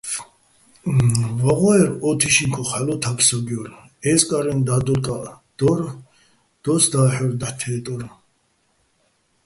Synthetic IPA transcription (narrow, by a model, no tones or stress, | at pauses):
vaʁɔɛɾɔt̪ʰiʃiŋkʰɔχalɔt̪ʰakʰsaɡiɔɾ | ɛskʼaɾɛnd̪ad̪ɔɾkʼad̪̥ɔɾ | d̪̥ɔsd̪aːħɔɾd̪aħt̪ʰɛːt̪ʼɔɾ